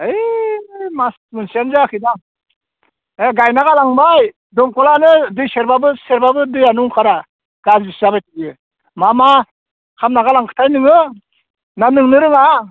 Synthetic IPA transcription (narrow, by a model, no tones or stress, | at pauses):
ɯj | masmɯnsijanzakʰɯda | eɡajnaɡalaŋbaj | dɔmkɔlanɯdɯjseɾbabɯseɾbabɯdɯjanuŋkʰaɾa | ɡ̥aziszabajtʰiɡɯ | mama | kʰamnaɡalaŋkʰɯ̥tʰajnɯŋɯ | nanɯŋnɯɾɯŋa